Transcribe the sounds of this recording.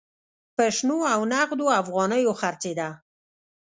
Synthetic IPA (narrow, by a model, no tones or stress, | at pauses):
pəʃnoawnaɣd̪oafɣɑnəjoxaɾt͡sed̪a